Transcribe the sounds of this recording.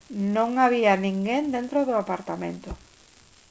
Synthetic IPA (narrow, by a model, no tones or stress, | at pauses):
nõŋaβianĩŋɡend̪ent̪ɾoðoapaɾt̪amḛ̃nt̪o